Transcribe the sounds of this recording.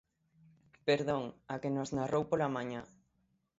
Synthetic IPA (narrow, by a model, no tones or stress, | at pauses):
peɾðoŋakenoznarowpolamaɲã